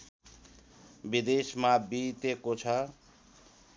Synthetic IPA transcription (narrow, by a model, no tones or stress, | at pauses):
bid̪esmabit̪ekot͡sʰʌ